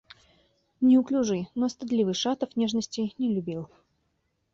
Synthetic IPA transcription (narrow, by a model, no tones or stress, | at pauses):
nʲɪʊklʲʊʐɨnost̪ɨd̪lʲivɨʂat̪əfnʲeʐnəsʲtʲɪnʲɪlʲʊbʲilˠ